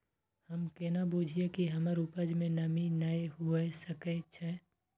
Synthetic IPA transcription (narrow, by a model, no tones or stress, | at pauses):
hɐmkenabuːd͡ʒʱiekiɦɐməɾupəd͡ʒmẽnɐminaːeɦuesəket͡ʃʰɛː